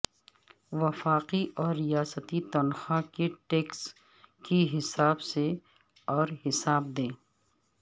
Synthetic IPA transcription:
ʋɐfaːqiʔɔːɾːijaːsət̪it̪ɐnxakeʈeːks | kiɦɪsaːbse | ɔːɾɦɪsaːb̚d̪ẽː

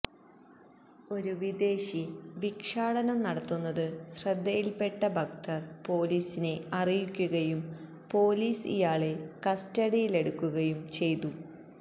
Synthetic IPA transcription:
o̞ɾuʋid̪e̞ːɕiʋikʂaːɽɐnɐmnɐɽɐt̪ːunːɐðɨɕrɐd̪ʱːɐjilpe̞ʈːɐbʱɐk̚t̪ʰɐrpo̞ːliːsine̞ɐrijikʲːuɣɐjum | po̞ːliːsḭjaːɭe̞kɐstɐɽijile̞ɽukːuɣɐjumt͡ɕe̞jt̪u

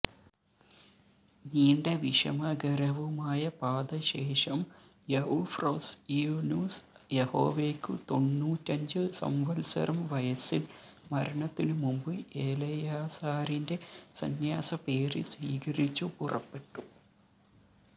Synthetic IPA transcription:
niːɳɖɐʋiʂɐ̰mɐɡɐɾɐʋumaːjɐpaːd̪ɐɕe̞ːʂɐm | jeufrɐːsiunjuːs | jeho̰ːʋeːkːṵt̪o̞nːuːtːɐɲd͡ʑɨsɐ̰mʋɐlsɐ̰ɾɐmʋɐjɐsilmɐɾɐɳɐt̪ːinɨmumbɨʔeːlɐjaːsaːɾinde̞sɐ̰njaːsɐpe̞ːɾɨsʋiːkɐɾit͡ɕːupurʔɐ̰pːe̞ʈːu

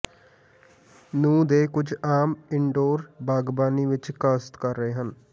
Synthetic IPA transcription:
nũːd̪eːkʊd͡ʒaːmɪɳɖoːɾbaːɡbaːniːʋɪt͡ʃkaːst̪kəɾːəɦeːɦən

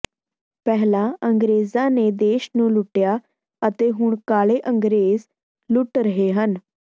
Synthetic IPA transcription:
pɛːlãːəŋɡɾeːzãːneːd̪eːʃnũːlʊʈːɪjaː | ət̪eːɦʊɳkaːɭeːʔəŋɡɾeːz | lʊʈɾəɦeːɦən

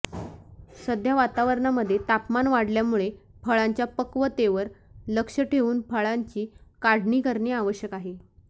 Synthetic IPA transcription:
səd̪ʱjaʋat̪aʋəɾɳaməd̪ʱːjet̪apmanʋaɽljamuɭepʰəɭaɲt͡ɕjapəkʋət̪eʋəɾləkʂəʈʰeuːnpʰəɭaɲt͡ɕiːkaɽ̤ɳiːkəɾɳeaʋəɕjəkaɦe

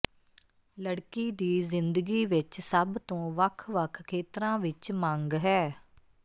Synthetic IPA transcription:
ləɽkiːd̪iːzɪnd̪əɡiːʋɪt͡ʃsəbt̪õːʋəkʰʋəkʰkʰːeːt̪ɾãːʋɪt͡ʃmãŋɡɦɛː

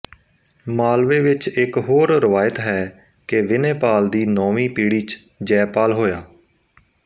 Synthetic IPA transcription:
maːlʋeːʋɪt͡ʃɪkɦoːɾɾəʋaːjɪt̪ɦɛː | keʋɪneːpaːld̪iːnɔːʋiːpiːɽiːt͡ʃ | d͡ʒɛːpaːlɦoːjaː

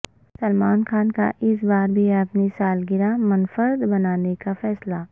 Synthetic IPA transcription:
sɐlmaːnxaːnka̰ʔɪs̬baːɾbʱiɐpnisaːlɡɪɾamɐnfəɾd̪bɐnaːnekafɛːslaː

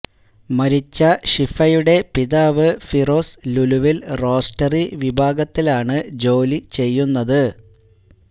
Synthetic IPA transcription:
mɐɾit͡ɕːɐɕifɐjuɽe̞piðaːʋɨfiro̞ːsluluʋilro̞ːstɐriʋibʱaːɡɐt̪ːilaːɳɨd͡ʑo̞ːlit͡ɕe̞jːunːɐðɨ

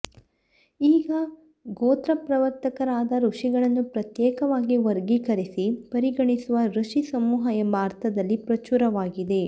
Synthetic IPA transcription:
iːɡɐ | ɡoːt̪ɾɐpɾɐʋɐɾt̪ɐkɐɾaːd̪ɐɾuʂiɡɐɭɐnːupɾɐt̪jɛːkɐʋaːɡiʋɐɾɡikɐɾisipɐɾiɡɐɳisuʋɐɾuʂisɐmuːɦɐjɐbaːɾt̪ɐd̪ɐlːipɾɐt͡ʃuɾɐʋaːɡid̪e̞

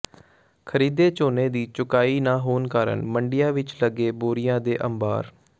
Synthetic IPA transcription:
kʰəɾiːd̪eːt͡ʃoːneːd̪iːt͡ʃʊkaːiːnaːɦoːnkaːɾə̰ɳməɳɖɪjãːʋɪt͡ʃləɡeːboːɾɪjãːd̪eːʔəmba̰ːɾ

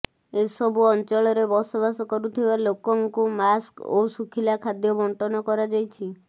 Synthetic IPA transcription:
esɔbuɔnt͡ʃɔɭɔɾebɔsɔbasɔkɔɾut̪ʰibalokɔŋkumasko̰sukʰilakʰad̪jɔbɔɳʈɔnɔkɔɾad͡ʒajt͡ʃʰi

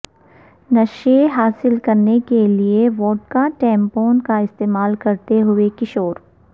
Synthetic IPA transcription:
nɐʃeɦaːsɪlkɐɾnekelieʋoːʈ̚kaʈɛ̃ːmpoːnkaɪst̪eːmaːlkɐɾt̪eɦʊekɪʃoːɾ

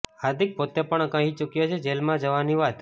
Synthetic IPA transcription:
aɾd̪ʱik̚pot̪epəɳəkãɦit͡ʃukjot͡ʃʰed͡ʒelmãd͡ʒəʋaniʋat̪

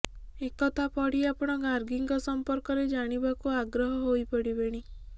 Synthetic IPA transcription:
ekɔt̪ʰapɔɽiapɔɽ̃ɔɡaɾɡiŋɡɔsɔmpɔɾkɔɾed͡ʒaɽ̃ibakuaɡɾɔɦɔɦojpɔɽibeɽ̃i

